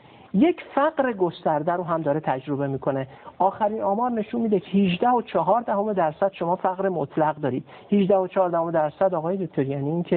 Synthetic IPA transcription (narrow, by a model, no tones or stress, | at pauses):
je̞cʰfæɢɾeɡo̞st̪æɾd̪æɾoɦæmd̪ɒːɾet̪ʰæd͡ʒɾo̞be̞miːkʰo̞ne | ɒːxæɾiːnɒːmɒːɾne̞ʃunmiːd̪ecʰehiʒd̪æhot͡ʃʰɒɦɒːɾd̪æɦo̞me̞d̪æɾsæd̪̥ʃo̞mɒːfæɣɾemot̪ʰlæɣd̪ɒːɾiːd̪̥ | hiʒd̪æhot͡ʃʰɒːɾd̪æhomed̪æɾsæd̪ɒːɣɒːje̞d̪ok̚ʰʲt̪ʰoɾijɒːniːncʰe